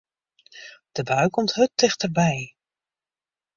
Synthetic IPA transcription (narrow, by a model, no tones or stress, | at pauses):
d̥əbœɥkɔmtɦɵtːɪχtərbɛj